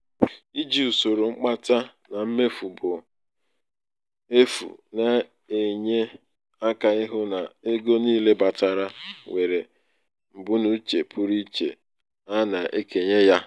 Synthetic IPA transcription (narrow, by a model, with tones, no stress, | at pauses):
i˦d͡ʒi˦˨u˨so˨ɾo˨ŋ͡m̩˦k͡pa˦ta˦na˨m̩˦me˦fu˨bʊ˨ | e˦fṵ˨na˦ | e˨ɲe˦ | a˦ka˨ɪ˦ɦʊ˦na˨e˦ɡo˦niː˦le˦ba˨ta˨ɾa˦we˨ɾe˨ | m̩˨bu˦nu˦t͡ʃe˨pʰʊ˦ɾi˦t͡ʃḛ˨ | a˦na˨ʔe˦ke˨ɲe˦ja˦